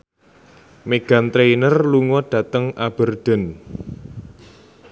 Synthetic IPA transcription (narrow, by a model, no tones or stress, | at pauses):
meɡ̥ä̤nt̪ɾeinərluŋɔɖ̥a̤t̪əŋab̥ə̤rd̪̥ə̤n